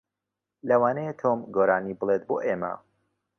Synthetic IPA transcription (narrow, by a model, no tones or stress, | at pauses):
lɐwaːnɐjet̪ʰoːmɡoːɾaːnibɨlˠet̪̚boːʔeːmɐ̰